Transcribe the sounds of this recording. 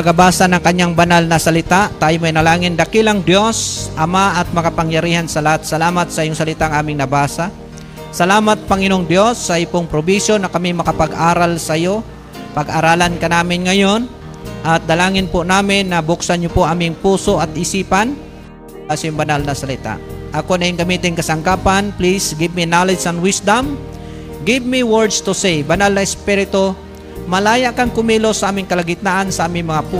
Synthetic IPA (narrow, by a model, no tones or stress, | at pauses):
ɐɡɐbaːsɐnɐŋkɐɲːaŋbɐnalnɐsɐlɪt̪aʔt̪aːjomɐjnɐlaːŋɪnd̪ɐkɪlɐŋd̪jo̞sʔɐmaʔɐt̪̚mɐkɐpɐŋjɐɾiːhansɐlat̪̚sɐlaːmat̪̚sɐʔɪjʊŋsɐlɪt̪aʔŋʔaːmɪŋnɐbaːsa | sɐlaːmɐt̪̚pɐŋɪnoŋd̪jo̞sːɐʔɪpoŋpɾobisjonɐkɐmimɐkɐpɐɡʔaːɾalsɐjo̞ | pɐɡʔaɾaːlɐnkɐnaːmɪnŋɐjon | ʔɐt̪̚d̪ɐlaːŋɪnpʊnaːmɪnːɐbʊksanɲopoʔamɪŋpuːso̞ʔɐt̪ʔɪsiːpan | asɐjʊŋbɐnalnɐsɐlɪt̪a̰ʔʔɐkonɐʔɪŋɡɐmiːt̪ɪŋkɐsɐŋkaːpanplisɡɪbminalɪd͡ʒsɐnwɪsd̪ɐm | ɡɪbmiwɛɹd̪st̪ʊsɛjbɐnalnɐɛspiɾɪt̪o | mɐlaːjaʔkaŋkʊmiːlosɐʔaːmɪŋkɐlɐɡɪt̪̚naʔansɐʔaːmɪŋmɐŋapu